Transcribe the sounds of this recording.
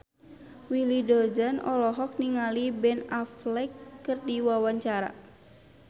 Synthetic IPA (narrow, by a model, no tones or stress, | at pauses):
wilidɔd͡ʒanɔlɔɦɔk̚niŋalibɛnaflɛkːɨrdiwawaɲt͡ʃaɾa̰